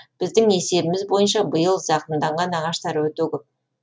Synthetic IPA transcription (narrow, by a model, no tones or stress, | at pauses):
b̥ɪzd̪ɪŋe̞se̞bɪmɪzbo̞jənʃ̬ɑbəjəlˠʒɑqənd̪ɑɴʁɑnɑʁɑʃt̪ɑɾwɵt̪ekʲep̚